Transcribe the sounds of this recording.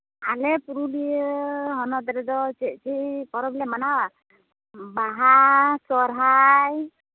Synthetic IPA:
alɛpuɾuliəɦɔnɔt̪ɾɛd̪ɔt͡ʃɛʔ̚t͡ʃʰipɔɾɔbilɛmanawa | baɦasɔɾɦaj

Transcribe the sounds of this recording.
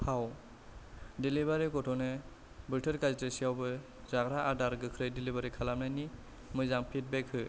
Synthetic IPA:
pʰaw | delibaɾiɡɔtʰɔne | bɯtʰəɾkaztesijawbɯ | zaɡɾaːdaɾɡɯkʰɾɯjdilibaɾikʰalamnajni | mɯjzaŋpʰit̚bɛkʰhɯ

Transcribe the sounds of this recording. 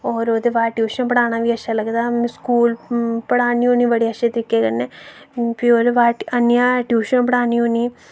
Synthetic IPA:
ɔːɾoːd̪eːʋaːʈjuːʃənpəɽaːnaːʋiːəʃʰaːləɡd̪aːmskuːlpəɽaːnioːnĩːʋəɽiːəʃẽt̪ɾɪkːeːkənːẽː | pioːd̪eʋaːənjãːʈjuːʃənpəɽaːniːoːniː

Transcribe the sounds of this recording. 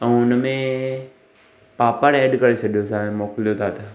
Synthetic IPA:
ə̃ʊnəmẽ | paːpəɾɛːɖkɐɾesəɠijosaːẽmoːklijot̪ʰaːt̪

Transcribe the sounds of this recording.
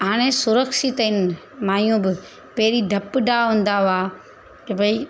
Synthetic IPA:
ɦaːɽ̃esʊɾəkʃit̪əɪn | maːjũbɪ | pɐɦɾiɖʱɐpɖaɦʊ̃ːn̆d̪aʋaː | kebʱɐi

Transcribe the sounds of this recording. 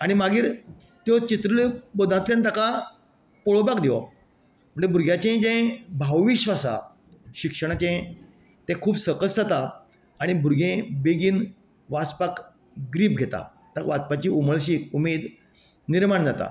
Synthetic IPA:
aɽ̃imaɡiːɾ | t̪jɔt͡ɕit̪ɾəlebod̪ʱãt̪ljãnt̪aka | poɭobakd̪iɔ | m̤əɳd͡ʑebʱuɾɡʱjat͡ɕẽd͡ʑẽbʱawʋiɕʋasa̰ | ɕikʂəɽ̃at͡ɕẽ | t̪ɛ̃kʰuːbsəkəsd͡zat̪a | aɽ̃ibuɾɡʱẽbeɡiːn | ʋaspak | ɡɾiːp̚ɡʱet̪a̰ | t̪aʋat͡spat͡ɕiːuməɭɕiːumed̪ | niɾmaɳd͡zat̪a̰

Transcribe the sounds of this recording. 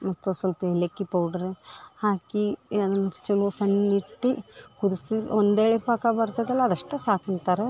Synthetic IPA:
mɐt̪ːusʋɐlpɐelekːipɐwɖɐɾhaːkiɐd̪ɐnːɐt͡ʃɐlusɐnniʈːikud̪isiond̪eːɭepaːkɐbɐɾt̪ɐd̪ɐlːɐːd̪ɐʂʈːesaːkɐnt̪aːɾe

